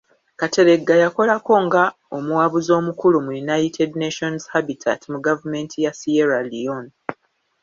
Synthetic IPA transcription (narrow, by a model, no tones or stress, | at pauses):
katʰe̞ɾe̞ɡːajako̞lako̞ŋɡa | o̞muwaβuzo̞ːmukulumujunajitʰedneʃonzhabitʰa̰timuɡavume̞ntʰijasieɾalijon